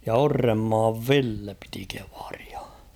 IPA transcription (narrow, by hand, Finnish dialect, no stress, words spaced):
jɑ orːemːɑːʋ ʋilːe piti ke̥ʋ̥ɑ̥r̥i̥ɑ̥